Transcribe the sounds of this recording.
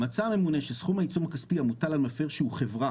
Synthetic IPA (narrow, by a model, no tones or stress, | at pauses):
mat͡same̞mune̞ʃesχumait͡sumakaspiamutalalmafeʁʃeuχe̞vʁa